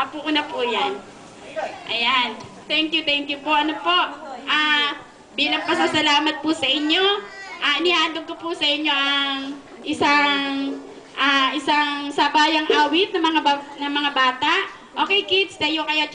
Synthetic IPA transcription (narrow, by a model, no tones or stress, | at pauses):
ʔɐpuʔʊnapujan | ʔɐjan | t̪ɛŋkjut̪ɛŋkjʊpo̞ʔɐnopo̞ʔʔaː | biːlɐŋpɐsusɐlaːmɐt̪̚pusɐʔɪɲːo̞ʔaːʔɪnɪhaːd̪oɡ̚kopusɐʔɪɲːo̞ʔɐŋ | ʔɪsaŋ | ʔaːʔɪsaŋsabaːjɐŋʔaːwɪt̪̚nɐmɐŋabanɐmɐŋabaːt̪aʔ | ʔʔoːkɛjkɪd̪sd̪ɐjokɐjo